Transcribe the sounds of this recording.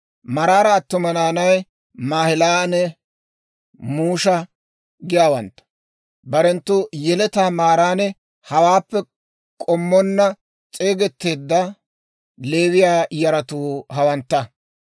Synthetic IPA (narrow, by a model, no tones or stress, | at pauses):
mɐɾaːɾɐːt̪ːʊmɐnaːnɐj | maːhɪlaːnɛ | muːʃɐ | ɡɪjaːwɐnt̪ːɐ̥ | bɐɾɛnt̪ːʊjɛlɛt̪aːmaːɾaːnɛ | hɐwaːpːɛ | kʼɔmːɔnːɐ | t͡sʼe̞ːɡɛt̪ːe̞ːd̪ːɐ | le̞ːwɪjaːjɐɾɐt̪uːɦɐwɐnt̪ːɐ